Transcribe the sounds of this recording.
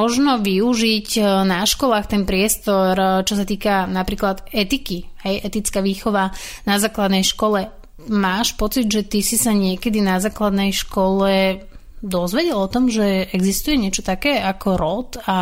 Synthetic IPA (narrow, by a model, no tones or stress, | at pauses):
ɔʒnɔʋiuʒicnaʃkɔlaːxt̪ɛnpɾɪɛst̪ɔɾt͡ʃɔsat̪iːkanapɾiːklad̪ɛt̪ikiɦɛjɛt̪it͡skaʋiːxɔʋanazaːklad̪nɛjʃkɔlɛ | maːʃpɔt͡sid̪ʒɛt̪isisaɲɪɛkɛd̪inazaːklad̪nɛjʃkɔlɛ | d̪ɔzʋɛɟɛlɔt̪ɔmʒɛɛɡzist̪ujɛɲɪɛt͡ʃɔt̪akɛːakʰɔɾɔt̪a